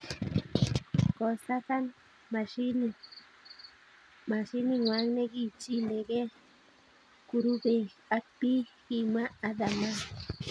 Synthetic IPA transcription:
kost̪aθan | maʃini | maʃiniŋwaŋneɡit͡ʃileɡe | kuɾubeak̚piximaːðama

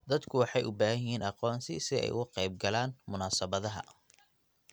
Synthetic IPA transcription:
d̪ɐd̪kʰʊwɑħɑjʔʊbaːɦɐjɦiːnʔɑqɔːnsɪsɪɛ̰jʔʊ̰ɣʊqɛjb̚ɡɐlaːnmʊnaːsɐβɐðɐɦɐ̰

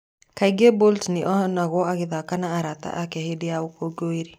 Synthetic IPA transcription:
kaiɡeboltneʔɔhɔnaɣwɔaɣeðakanaːɾata̰ʔakɛhedeaokoɡoiɾe

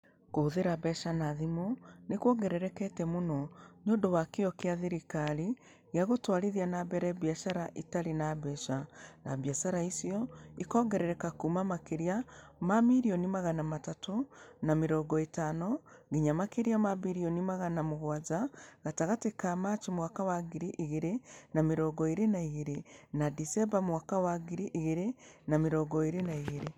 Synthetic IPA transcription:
koːðeɾabɛʃanaðimonekwɔɡɛɾɛɾɛkɛtɛmonɔnondowakeɔkeaðeɾikaɾi | ɣeaɣotwaɾeðianabɛɾɛbjaʃaɾaʔitaɾenaβɛʃana̰bjasaɾaisijɔikɔːɡɛɾɛɾɛkakumamakeɾiamamiɾiɔnimaɣanamatatonamiɾoɡoitaːnoɡiɲamakeɾjamabiɾionimaɣanamuɣwazaɣataɣatikamat͡ʃimwakawaɡiɾiʔiɣiɾenamiɾoɡoiɾenaiɣiɾinadisebamuwakawaɡiɾiʔiɣiɾenamiɾoɡoiɾenaiɣiɾi

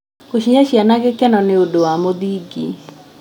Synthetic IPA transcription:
koʃiɲaɕianaɡekɛnɔneodowamoðiːɡḭ

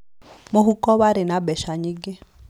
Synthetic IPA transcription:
moɦukɔβaɾenabɛʃaɲiɡe

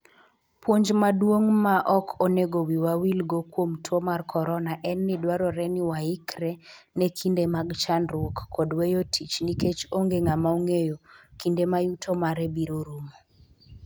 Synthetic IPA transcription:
pwoɲd͡ʒmadwoŋmaʔɔkʰoneɡowiwawilɡokwomtʰwomarkʰɔɾɔnaʔɛnːidwaɾɔɾɛniwaikɾɛ | nekʰindemaɡt͡ʃanɾwokːɔdwejotʰit͡ʃniket͡ʃoŋɡeŋamaoŋejokindemajutʰomaɾɛbiɾoɾumo

